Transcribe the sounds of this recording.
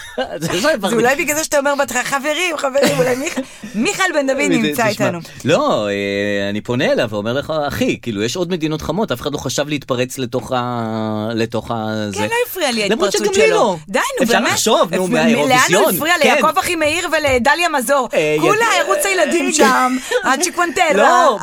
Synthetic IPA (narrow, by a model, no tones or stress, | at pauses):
zeʃevaulajbiɡalzeʃataomeʁbat̪χaχaveʁimχaveʁimulajmiχ | miχalbend̪avinit͡sait̪anu | lo̞eaniponeːlavomeʁleχaːχikiːlujɛʃod̪me̞d̪ino̞t̪χamo̞t̪afeχad̪loχaʃavleit̪paʁet͡sletoχa | leto̞χazkeloifʁialialamʁot͡ʃɡallod̪ajnubeeʃovnumeaeoleanjonfʁialejakovaχimeiʁveledaljamazo̞ʁulajaʁut͡sajelad̪imɡamat͡ʃikwantelo